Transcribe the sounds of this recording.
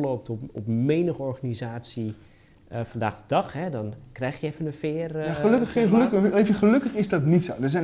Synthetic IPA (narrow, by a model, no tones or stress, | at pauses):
lowp̚tɔpɔ̰pmejnəχɔɹχanizaːtsi | fɑndaːχdədɑχɦɛdɔnkrɛjxjəɛfənənfɪːrjaəløkəχəlkevəχəlɵkəχɪzdɔtnitsowdəɹzɛn